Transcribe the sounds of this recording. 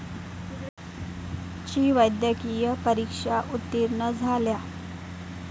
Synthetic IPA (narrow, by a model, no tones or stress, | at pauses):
t͡ɕiːʋəjd̪jəkijəpəɾikʂaʔut̪ːiɾɳəd͡zʱalja